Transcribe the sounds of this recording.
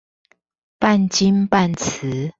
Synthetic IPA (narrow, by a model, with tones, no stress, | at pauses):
pa˥˨nt͡ɕi˦npa˥˨nt͡s̩ʰ˨˦